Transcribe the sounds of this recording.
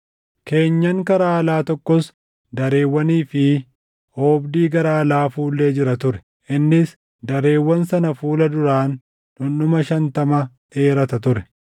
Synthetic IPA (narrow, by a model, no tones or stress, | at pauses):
kʰe̞ːɲːɐŋkɐɾaːɐlaːt̪ɔkːɔs | d̪ɐɾe̞ːwːɐniːfɪ | oːbd̪iːɡɐɾaːlaːfuːlːe̞ːd͡ʒɪɾɐt̪ʊɾɛ̥ | ʔɪnːɪs | d̪ɐɾe̞ːwːɐnsɐnɐfuːlɐd̪ʊɾaːn | ᶑʊnʊmɐʃɐnt̪ɐmɐ | e̞ːɾɐt̪ɐt̪ʊɾɛ̥